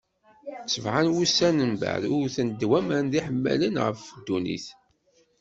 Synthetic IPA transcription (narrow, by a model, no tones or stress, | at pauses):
t͡sːəvʕanwusænənbæ̰ðʊɾθənd̪wæmnðiħəmːæ̰lənʁə̰fd̪ːunḭθ